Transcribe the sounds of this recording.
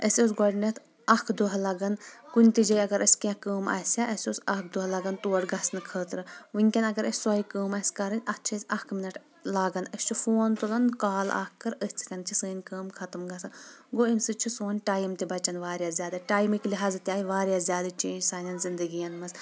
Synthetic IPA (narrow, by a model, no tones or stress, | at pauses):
əsʲosɡɔɽnɐt̪ʰ | ɐkʰd̪oɦɐlɐɡɐnkunʲt̪id͡ʒɐjɐɡɐɾʔɐsʲkãkəːmɐ̰sʲaʔɐsʲosɐk̚ʰd̪oɦɐlɐɡɐnt̪uːʈɡɐsnɨkʰəːt̪ɾɨʋɨnʲkʲɐnɐɡɐɾɐsʲsɔikəːmɐsʲkɐɾɐnʲɐt͡ʃʰɐsʲɐkʰminɐʈ | laːɡɐnəsʲt͡ʃʰufoːnt̪ulɐnkaːla̰ːkːɐɾəsʲt͡sʰi̥kɐnt͡ʃʰisɨːnʲkəːmkʰɐt̪ɐmɡɐsɐnɡoimsɨt͡ʃʰisoːnʲʈaːjimt̪ibɐt͡ʃɐnʋaːɾjazʲjaːd̪ɐʈaːjmikliɦaːzɐt̪ːʲaːjiʋaːɾjaːzʲjaːd̪ɐt͡ʃeːnʲd͡ʒsaːnʲɐnzind̪ɨɡijɐnmɐs